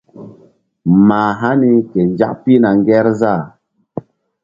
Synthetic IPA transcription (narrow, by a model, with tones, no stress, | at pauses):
maː˨ɦa˦ni˦ke˨nd͡ʒa̰˦kpi˦na˨ŋ˦ɡɛ˦ɾza˦˨